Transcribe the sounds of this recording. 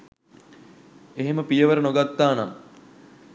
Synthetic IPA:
eɦeməpijəʋəɾənoɡat̪ːaːna

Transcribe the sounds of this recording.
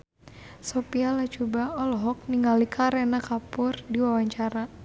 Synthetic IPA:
sɔpialat͡ʃubaɔlɔɦɔk̚niŋɡalikʰaɾɛnakapʊrdiwawaɲt͡ʃaɾa

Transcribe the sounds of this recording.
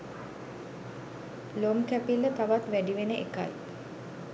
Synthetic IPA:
lomkæpilːət̪aʋat̪ʋæɖiʋenəʔeka̰j

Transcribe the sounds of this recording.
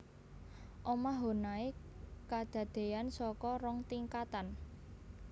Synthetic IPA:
ʔɔmaɦo̤nae | kad̪̥ä̤d̪̥e̤ansɔkɔɾɔŋt̪iŋkat̪an

